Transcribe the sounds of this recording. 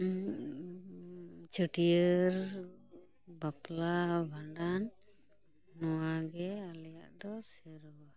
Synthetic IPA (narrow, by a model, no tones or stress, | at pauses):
t͡ʃəʈijəɾ | baplabʱaɳɖanː | ɔwaɡɛalɛjaʔd̪ɔsɛɾɔwa